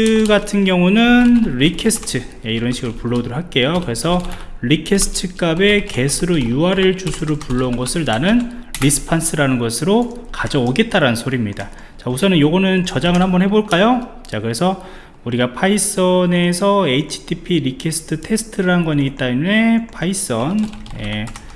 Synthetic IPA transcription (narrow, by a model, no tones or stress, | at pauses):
ɡatʰɯnɡjʌŋunɯnɾikʰesʰɯ̥tʰɯ | jeiɾʌnɕʰiɡɯɾɭpuɭːʌdɯɾokɦaɭk͈e̞jokɯɾe̞sʰʌ | ɾikʰe̞sʰɯ̥tʰɯk͈abe̞ke̞sʰɯɾojuaɾeɭt͡ɕusʰuɾɯɭpuɭːʌunɡʌsʰɯɭnanɯnɾisʰɯ̥pʰans͈ʰɯɾanɯnɡʌsʰɯɾokad͡ʑʌoɡe̞t͈̚aɾanɯnsʰoɾimɲida | t͡ɕausʰʌnɯnjoɡʌnɯnt͡ɕʌd͡ʑaŋɯɭhambʌnhɦe̞boɭk͈ajo | t͡ɕakɯɾe̞sʰʌ | uɾiɡapʰais͈ʌne̞sʰʌe̞it͡ɕʰi̥tʰipʰiɾikʰe̞sʰɯ̥tʰɯtʰe̞sʰɯ̥tʰɯɾannɡwʌɲiɡit͈amune̞pʰais͈ʌnje̞